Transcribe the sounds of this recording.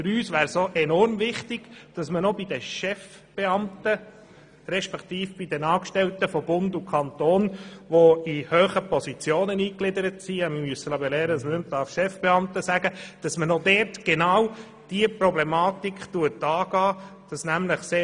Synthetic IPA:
fʏɾyːsʋæːɾsoʔɛnɔɾmvɪχtɪɡ̥d̥ɑsmənobidəʃɛf | b̥eɑmt̪ə | ɾɛʃpɛkt̪iːfb̥idɛnɑːkʃtɛlt̪əfɔbʊndukʰɑnt̪oːnʋoihøːχəpɔsit͡sjoːnəniːklɪdəɾətsiɛməmyəsːəlɑbɛlɛːɾədɑsmənʏmt̚d̥ɑɾfʃɛfb̥eɑmtəsæɡəd̥ɑsmənodɛːɾtɡ̥enɑw | d̥iəpɾɔblɛmɑːtikχtuətɑːɡ̥ɑːd̥ɑsnæmləχseː

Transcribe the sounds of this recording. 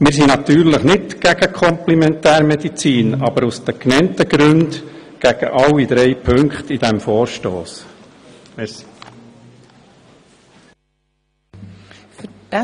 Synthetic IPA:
mɪːɾs̬inɑt̪yːɾləχnɪtɡ̥æɡ̥əkʰɔmplɛmɛntæːɾmɛd̪it͡siːnɑbəɾusd̪əknɛnt̪əɡ̥ɾʉndɡ̥æɡ̥ə̰ʔɑlːid̪̥ɾɛɪpʰɵŋkχt̪id̥̪ɛmfɔːɾʃtoːs

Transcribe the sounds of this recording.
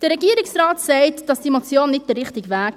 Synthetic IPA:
d̥əɾːɛɡiəɾɪksrɑːtsɛɪtd̥ɑsd̥imot͡sjoːnːɪtt̚d̥ərːɪχtɪɡʋæːk

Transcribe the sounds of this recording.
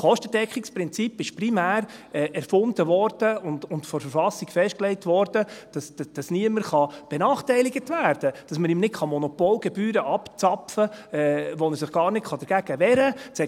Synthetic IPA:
χɔʃtəd̥ɛkχikspɾɪnt͡sipɪʃprimæːɾɛɛɾfʊndəʋɔɾd̥əʊndʊntfɔɾfəɾfɑsiɡ̥fɛʃt̚klɛɪtʋɔɾd̥əd̥ɑsd̥ɑsniəməɾχɑb̥ɛnɑːχtɛɪliɡətvæːɾd̥əd̥ɑsməɾɪmnɪtχɑmɔnɔpɔːlɡɛbyːɾəʔɑpt͡sɑpfəɛʋonəs̬ɪχɡ̥ɑːɾnɪtχɑdəɾɡ̥æɡ̥əʋɛɾət͡sɛ

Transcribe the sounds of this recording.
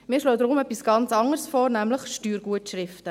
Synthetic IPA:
miːɾʃloːd̥̪ɾʊmɛpːisɡ̥ɑnt͡sɑŋəɾsfoːɾnæmləχʃtyːɾɡuətʃrɪftə

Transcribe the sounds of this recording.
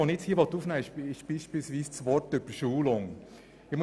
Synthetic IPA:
onɪt͡shiːəʋɔt̪ːuːfnɛɪʃɪʃb̥iːʃpiːlsviːst͡sʋɔɾtøbəʃuːlʊŋ | ɪmʊ

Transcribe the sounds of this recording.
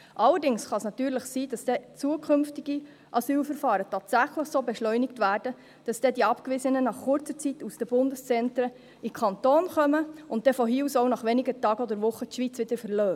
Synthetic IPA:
ʔɑləɾdɪŋsχɑsnɑtyːɾləχsiːd̥ɑsd̥ɛt͡suəkʰʏmftiɡ̥i | ʔɑsyːlfəɾfɑːɾətʰɑːtsæχləχsoːbɛʃlœʏnɪktvʋæːrdə | d̥ɑsd̥ɛdiɑpkʋɪzənənɑχχʊɾt͡sət͡situsd̥əbʊndəst͡sɛntɾə | ikʰɑntoːnχœməʊnt̚dɛfɔɦiːusoʊnɑχʋɛnɪɡətɑːɡɔd̪əɾʋʊχətʃʋiːt͡sʋɪd̪̥əɾfəɾlœː

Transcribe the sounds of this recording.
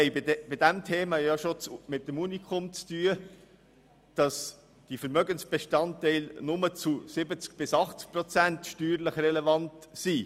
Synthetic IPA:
ɛɪbɪb̥ɪdæmtʰeːmɑjɑʃot͡smɪt̚d̥əmunikχɔmt͡styə | d̥ɑs | d̥ifəɾmœɡənsb̥eʃtɑntɛɪlnʊmət͡susɪbət͡sk̚b̥ɪsɑχt͡sk̚prɔt͡sæntʃtyːɾləχrɛlevɑnt | si

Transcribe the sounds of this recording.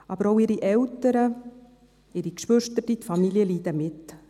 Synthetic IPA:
ɑbəɾoʊɪɾiʔɛwtəɾə | ɪɾikʃʋʏʃtətit̪fɑmiljəliːd̥̪əmɪt

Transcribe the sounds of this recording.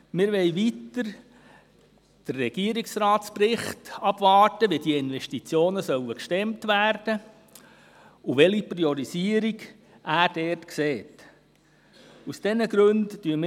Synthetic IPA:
mɪɾʋɛɪʋitəɾ | d̥ərːɛɡ̥iəɾiksɾɑːtsprɪχtɑb̥vɑːɾtəʋidiəɪnvɛʃtit͡sjoːnəsœwəkʃtɛmtvæːrd̥ə | uʋɛlipriɔɾisiəɾiɡ | ʔæːɾd̥ɛːɾtkseːt | usd̥ɛnəɡɾɵnddyːəm

